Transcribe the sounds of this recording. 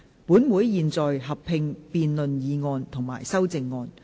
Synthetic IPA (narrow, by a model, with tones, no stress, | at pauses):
puː˨˥nwuː˨˥jjiː˨˧nt͡sɔː˨jɦɐ˨pʰɪ˧ŋpiː˨˧nlɵ˨njiː˨˧ŋɔː˧nt̪ʰʊ˨˩ŋma̰ː˨˩jsɐ˥wt͡sɪ˨˧ŋːɔː˧n